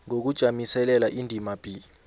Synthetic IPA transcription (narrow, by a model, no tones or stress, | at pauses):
ŋok̬ud̥ʒ̥ʱamisɛlɛlaʔindʱimab̥ʱi